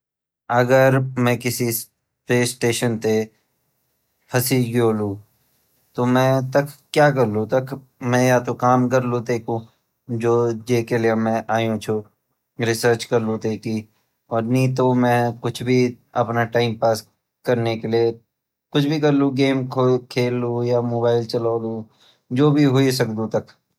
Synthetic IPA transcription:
ɐɡəɾmɛ̃ːkɪsis | pɾeːsʈeːʃənt̪e | hɐsiːɡjoːlũː | t̪oːmɛ̃ːt̪ɐkkːjaːk̬ɐɾlũt̪ɐkʰ | mɛ̃jat̪okaːmkɐɾlũt̪eːkʰũ | d͡ʒoːd͡ʒeːkeliemɛ̃ʔaːjũt͡ʃʰu | ɾɪsəɾt͡ʃkɐɾlũt̪eːki | ɔːɾnɐĩt̪omɛ̃kʊt͡ʃʰbʱi | ɐpnaʈaːɪmpaːs | kɐɾnekelie | kʊt͡ʃʰbʱik̬ɐɾlũɡeːmkʰokʰeːlːujaːmoːbaːɪlt͡ʃɐlaːlu | d͡ʒoːbʱiɦʊis̬ɐkd̪ũt̪ɐk

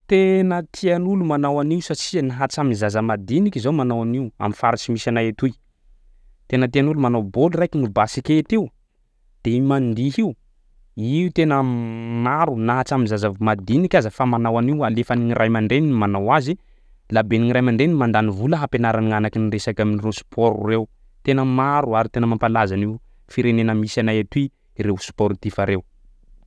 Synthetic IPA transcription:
t̪enət̪ʰianulumanawaniusat͡ʃinaɦat͡saminzazəmad̪inikizawmanawaniwa̰mifaɾat͡simisanajet̪uj | t̪enət̪ianulumanobolirajkinubasikʲet̪iw | d̪̥emand̪iɦiu | iut̪enəmaɾunaɦat͡samizazavmad̪inikʲazəfamanawaniwalefaniŋirʔajmaɳɖ͡ʐeninmanawazi | labeniŋiɾajmaɳɖ͡ʐenmand̪anivuləɦapenaɾanianakiniresakaminiresu̥pʰɔɾṵrew | t̪enəmaɾuaɾit̪enəmampalazani | fiɾenenəmisanajat̪ui | ɾewsu̥pɔɾit̪ifaɾew

